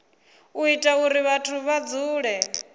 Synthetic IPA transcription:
uitʼauɾiβatʰuβad͡zuːɺɛ

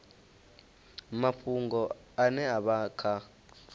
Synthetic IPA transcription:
maɸʰuŋɡɔ | anɛaɓakʰa

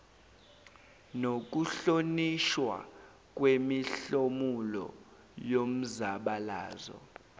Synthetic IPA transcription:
nok̬uɬoniʃwa̰ | k̬ʼwemiɬomulɔ̰ | jom̩zaɓalaːzɔ̰

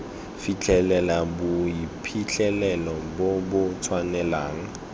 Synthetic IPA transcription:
fit͡ɬʰʼɛlɛlabʊipʰit͡ɬʰʼɛlɛlɔbobʊt͡sʰwanɛlaːŋ̩

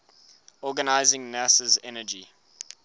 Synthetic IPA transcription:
ɔːɡənaɪzɪ̃ŋnasəzɛnəd͡ʒi

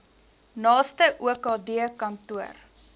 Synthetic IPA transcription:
nɑːstəʔuəkɑːdiəkɐntuər

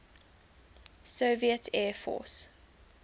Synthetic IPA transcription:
səːviətʰɛːfɔ̰ːs

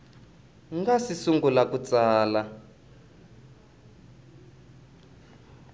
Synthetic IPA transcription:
ŋɡasisuŋɡulakut͡saːla

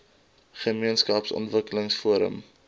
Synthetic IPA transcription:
χəmiənskɐpsɔ̰ntvəkələŋsfuəɾə̰m

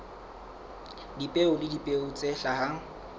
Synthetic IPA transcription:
dipʼeʊlɪdipʼeʊt͡sʼeɬaha

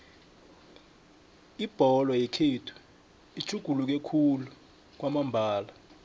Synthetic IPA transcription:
ib̥ʱɔlɔjekʰiːtʰu̥ | i̥t͡ʃʰʼuɡ̥ʱuluk̬ekʰulu | k̬wamambʱaːla

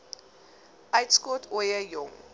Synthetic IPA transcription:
ajtskɔtʰɔjajɔŋ

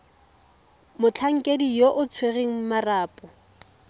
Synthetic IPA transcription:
mʊt͡ɬʰaŋ̩kʼedijoʔʊt͡sʰwereŋ̩maraːpʼɔ

